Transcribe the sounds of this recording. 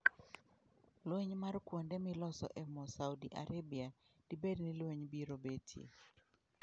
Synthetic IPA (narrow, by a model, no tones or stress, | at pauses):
lweɲmarkwondɛmɪlɔsɔ̰ʔɛmɔsawdiʔa̰ɾebia | d̥ibednɪlweɲbiɾobetʰḭ